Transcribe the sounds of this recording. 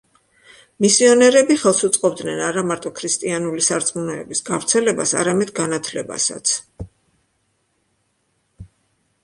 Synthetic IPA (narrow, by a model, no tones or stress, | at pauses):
misiɔnɛɾɛbiχɛlˠsut̪sʼqʼɔbd̪nɛnaɾamaɾt̪ʼɔkʰɾist̪ʼianulisaɾt̪sʼmunɔɛbisɡavɾt̪sʰɛlɛbasa̰ɾamɛd̪ɡanat̪ʰlɛba̰sa̰t̪sʰ